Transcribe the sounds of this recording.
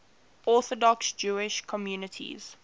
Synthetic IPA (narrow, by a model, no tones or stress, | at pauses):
ʔɔˑθɔdɔksd͡ʒuːɪʃkʰɔmjuːnətʰḭz̥